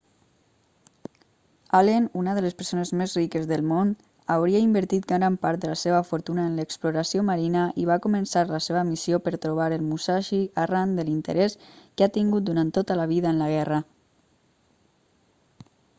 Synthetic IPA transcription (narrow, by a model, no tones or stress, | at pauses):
alenunəðələspəɾsonezmezrikəzðəlˠmon | awɾiaimbəɾt̪it̪̚ɡaɾampaɾt̪̚d̪əlaseβəfuɾt̪unəənləkspluɾasioməɾinəiβ̞akumənsaɾləseβəmisiopəɾt̪ɾuβ̞aɾəlˠmusaʃiarand̪əlint̪ə̰ɾɛskeat̪iŋɡut̪̚d̪uɾant̪ːot̪ələβiðəənləɣ̞ɛrə